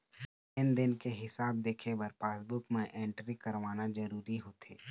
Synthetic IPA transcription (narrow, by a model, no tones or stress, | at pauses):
ɪnd̪ɪnkeɦɪsaːb̚d̪eːkʰebəɾpaːsbʊkmẽʔẽːɳʈɾikɐɾʋaːnad͡ʒɐɾuːɾiɦoːt̪ʰeː